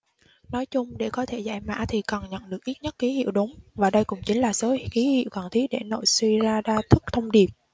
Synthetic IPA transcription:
nɔ˨˦jt͡ɕʊ˧ŋ͡mɗe˧˩kɔ˨˦t̪ʰe˧˩za̰ː˧˩jma̰ː˧˥t̪ʰi˨˩kə˨˩nɲə̰˧˨nɗɨ˨˩ək̚ʔi˦˥t̚ɲə˦˥t̚ki˨˦hḭ˧˨əwɗʊ˨˦ŋ͡mvaː˨˩ɗə˧jkʊ̰˧˩ŋ͡mt͡ɕï˨˦ŋ̟laː˨˩so˨˦xi˨˦hḭ˧˨ə˨wkɔ˨˩nt̪ʰi˨˦ɗe˧˩no̰˧˨jswi˧zaː˧ɗaː˧t̪ʰɨ˦˥k̚t̪ʰə˧wŋ͡mɗi˨˩əp̚

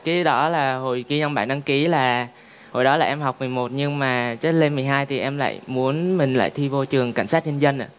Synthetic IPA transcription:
kaː˨˦ɗɔ˨˦laː˨˩ho˨˩jki˧ɲɔ˧ŋ͡mɓaː˧˩na˧ŋki˨˦laː˨˩ | ho˨˩jɗɔ˨˦laː˨˩ʔɛ˧mha˨˩wk͡p̚mɨ˨˩əjmo˨˩t̚ɲɨ˧ŋmaː˨˩t͡ɕe˦˥t̚le˧nmɨ˨˩əjɦaː˧jt̪ʰi˨˩ʔɛ˧mla̰ː˧˨jmu˨˦ənmï˨˩ŋ̟la̰ː˧˨jt̪ʰi˧vo˧t͡ɕɨ˨˩əŋka˧˩jŋ̟saː˦˥t̚ɲə˧nzə˧nʔa̰ː˧˨

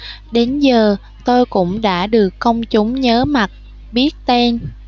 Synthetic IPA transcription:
ɗe˨˦nzəː˨˩ | t̪o˧jkʊ̰˧˥ŋ͡mɗa̰ː˧˥ɗɨ˨˩əkːə˧wŋ͡mt͡ɕʊ˨˦ŋ͡mɲəː˨˦ma˨˩t̚ | ɓi˦˥ət̚t̪ɛ˧n

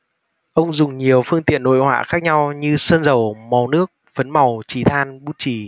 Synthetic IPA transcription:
ʔə˧wŋ͡mzʊ˨˩ŋ͡mɲi˨˩əwfɨ˧əŋt̪ḭ˧˨ənːo̰˧˨jhwa̰ː˧˨xaː˦˥k̚ɲa˧wɲɨ˧səː˧nzə˨˩wma˨˩wnɨ˦˥ək̚və˨˦nma˨˩wt͡ɕi˨˩t̪ʰaː˧nɓu˦˥t̚t͡ɕi˧˨˩

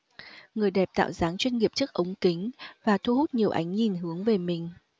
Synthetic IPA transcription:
ŋɨ˨˩əjɗɛ˨˩p̚t̪a̰ː˧˨wzaː˨˦ŋt͡ɕwi˧nŋi˨˩əp̚t͡ɕɨ˦˥ək̚ʔə˨˦wŋ͡mkï˨˦ŋ̟vaː˨˩t̪ʰu˧hu˦˥t̚ɲi˨˩əwʔa̰˨˦jŋ̟ɲi˨˩nɦɨ˨˦əŋve˨˩mï˨˩ŋ̟

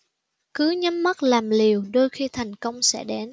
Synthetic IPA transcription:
kɨ˨˦ɲə˨˦mmə˦˥t̚laː˨˩mli˨˩əwɗo˧jxi˧t̪ʰa˨˩jŋ̟kə˧wŋ͡msɛ̰˧˥ɗɛ˨˦n

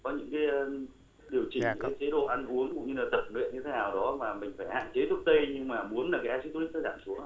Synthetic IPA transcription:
kɔ˨˦ɲɨ̰˧˥ŋkaː˨˦j | ɗi˨˩əwt͡ɕï˨˩ŋɲɨ̰˧˥kaː˨˦t͡ɕʰe˨˦ɗo̰˧˨ʔa˧nʔu˨˦əŋkʊ̰˧˨ŋ͡mɲɨ˧laː˨˩t̪ə˨˩p̚nwḭ˧˨nɲɨ˧t̪ʰe˨˦naː˨˩wɗɔ˨˦maː˨˩mï˨˩ŋ̟faː˧˩jha̰ː˧˨nt͡ɕe˨˦t̪ʰk̚t̪ə˧jɲɨ˧ŋmaː˨˩mu˨˦ənlaː˨˩kaː˨˦jʔa˧t͡ɕi˧˦˥t̪ːi˦˥t̪əː˧˩zaː˧˨nsu˨˦ə

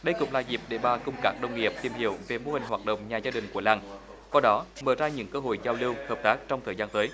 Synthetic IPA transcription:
ɗə˧jkʊ̰˧˥ŋ͡mlaː˨˩zi˨˩p̚ɗe˧˩ɓaː˨˩kʊ˧ŋ͡mkaː˦˥k̚ɗə˧wŋ͡mŋi˨˩əp̚t̪i˧˩əmhḭ˧˩˨əwve˨˩mo˧hï˨˩ŋ̟hwaː˨˩t̚ɗə̰˧˨wŋ͡mɲaː˨˩zaː˧ɗï˨˩ŋ̟ku˧˩əlaː˧˩ŋ | kwaː˧ɗɔ˨˦məː˧˩zaː˧ɲɨ̰˧˥ŋkəː˧ɦo̰˧˨jzaː˧wlɨ˧whəː˨˩p̚t̪aː˦˥k̚t͡ɕɔ˧wŋ͡mt̪ʰəː˨˩jzaː˧nt̪əː˨˦j

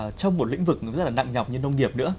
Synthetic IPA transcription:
t͡ɕɔ˧wŋ͡mmo˨˩t̚lḭ˧˥ŋ̟vɨ˨˩k̚zə˦t̚laː˨˩na̰˧˨ŋɲa˨˩wk͡p̚ɲɨ˧nə˧wŋ͡mŋi˨˩əp̚nɨ̰˧˥ə

